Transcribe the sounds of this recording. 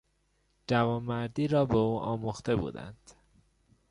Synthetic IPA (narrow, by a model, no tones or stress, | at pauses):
d͡ʒævɒːmːæɾd̪iːɾɒːbeuːʔɒ̰ːmuxt̪e̞bṵːd̪æ̰nd̪̥